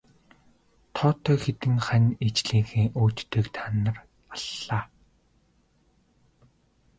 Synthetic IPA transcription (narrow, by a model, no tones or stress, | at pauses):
t̪ʰɔːt̪ʰœːxet̪ɘ̆ŋχænʲet͡ɕɮiːŋxeːʔoːt͡ɕt̪ːeːkt̪ʰaːnə̆r | aɮːaː